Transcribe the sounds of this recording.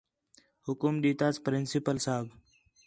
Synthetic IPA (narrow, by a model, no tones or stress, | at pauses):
hʊkʊmɗiːt̪aːspɾɪnsɪpəlsaːb